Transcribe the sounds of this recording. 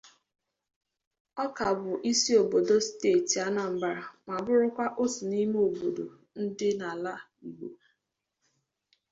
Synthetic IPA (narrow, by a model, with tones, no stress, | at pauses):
ɔ˦ka˨bʊ˨ʔi˦si˦o˨bo˨do˦ste˦˨ti˨a˦na˨m̩˨ba˨ɾa˨ma˨bʊ˦ɾʊ˦kʷa˦ʔʊ˦sʊ˨ni˦m˦o˨bo˨do˨ | n̩˦dɪ˦na˨la˦ | i˨ɡ͡bo˨